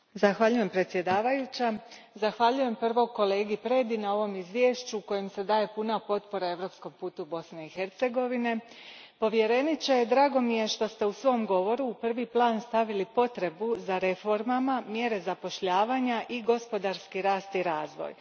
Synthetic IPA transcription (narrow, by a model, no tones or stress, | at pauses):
zaxʋaʎuje̞mpɾet̪sje̞d̪aːʋajut͡ɕa | zaxʋaʎuje̞mpr̩ʋo̞ɡko̞le̞ːɡipɾed̪inao̞ʋo̞mizʋje̞ːʃt͡ɕuko̞jemse̞d̪aːje̞punapo̞t̪po̞ɾae̞ʋɾo̞ːpsko̞mpuːt̪ubo̞sne̞ixe̞ɾt̪se̞ɡo̞ʋine̞ | po̞ʋje̞ɾe̞nit͡ɕejed̪ɾaːɡo̞mije̞ʃt̪o̞st̪e̞usʋo̞ːmɡo̞ʋo̞ɾuːpr̩ʋiplˠaːnst̪aʋilipo̞t̪ɾe̞buzaɾe̞fo̞ɾmamamje̞ɾe̞zapo̞ʃʎaːʋaːɲaʔiɡo̞spo̞d̪aɾskiɾaːst̪iɾaːzʋo̰j